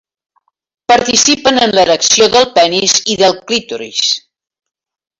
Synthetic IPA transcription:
pəɾt̪isipənənlələksioðəlˠpɛniziðəlˠklit̪uɾḭs

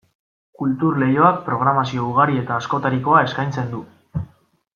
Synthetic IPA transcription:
kult̪uɾle̞jo̞ak̚pɾo̞ɣ̞ɾamasio̞uɣ̞aɾie̞t̪aːsko̞t̪aɾiko̞ae̞skajnt͡se̞nd̪u

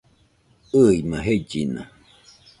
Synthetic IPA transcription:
ɨimãɦed͡ʒinã̰

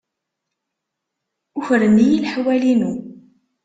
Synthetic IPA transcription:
ʊçɾənijilħwælinu

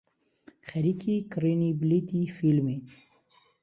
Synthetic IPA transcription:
xɐɾikʰikɾiniblit̪ifilme

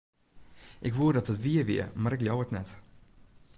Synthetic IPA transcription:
ʔɪkʋuədɑtətʋiəʋḭəmaːɾɪklɔwətnɛt

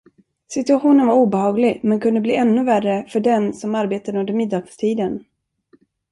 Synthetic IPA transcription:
sɪt̪ɵaɧuːnənvaɾuːbɛhɑːɡlɪɡmɛnkʰɵnd̪əbliːʔɛnːɵværəfœɖɛnsɔmaɾbeːt̪aɾəɵnd̪əmɪd̪ːɑːɡst̪ʰiːd̪ən

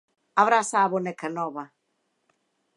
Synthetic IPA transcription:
avɾasaːβonɛkʰanɔβa

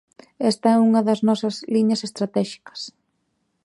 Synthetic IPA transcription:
ɛst̪ɐɛuŋɐðɐznɔsɐzliɲɐsest̪ɾat̪ɛʃi̥kɐ̥s

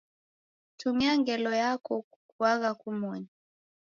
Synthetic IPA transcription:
tumiaŋɡɛlɔjakɔ | kuaɣakumɔɲa

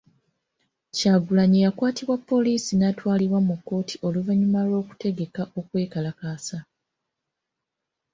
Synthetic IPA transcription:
caːɡulaɲejakwaːtiβwapːo̞liːsinatwaːliβwamukːo̞ːtʰi̥ʔo̞luvaɲumalo̞ːku̥te̞ɡe̞kaʔo̞kwe̞ːkalakaːsa

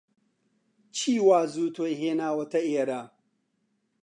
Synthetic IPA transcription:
t͡ʃʰiːwaːzuːt̪ʰojɦeːnaːwɐt̪ɐeːɾaː

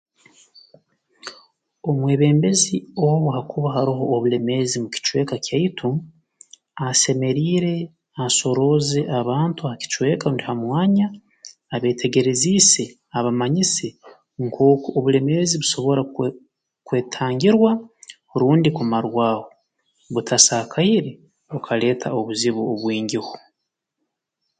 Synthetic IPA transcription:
o̞mwe̞ːβe̞ːmbe̞zio̞βuɦakuβaɦaɾiɦo̞ːβule̞me̞zimuci̥t͡ʃwe̞ːkakjaitʰu | ase̞me̞ɾiːɾe̞ | aso̞ɾo̞ze̞ʔaβaːntuhaci̥t͡ʃwe̞ːkaundihamwaːɲaː | βe̞ːtʰe̞ɡe̞ɾe̞ziːse̞ | aβamaɲise̞ | ŋkʰo̞ːkoʔoβule̞me̞ziβuso̞βo̞ɾa | kwe̞ːtʰaːɲɟiɾwahuɾuːndikumaɾwaːho | βutʰasakʰaiɾe | ukʰale̞ːtʰaoβuziβoːβwiːɲɟihu

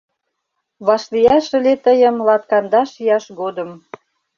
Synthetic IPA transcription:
βɑʃlijɑʃə̆let̪əjə̆mlɑt̪̚kɑnd̪ɑʃjɑʃɣod̪əm

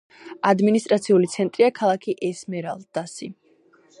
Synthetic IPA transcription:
ad̪minis̬t̪ʼɾat̪sʰiulit̪sʰɛnt̪ʼɾiakʰalˠakʰiʔɛsmɛɾalˠd̪asi

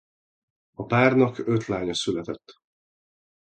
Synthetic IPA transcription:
ɒpaːrnɒkøt̪laːɲɒsylɛt̪ɛt̪ː

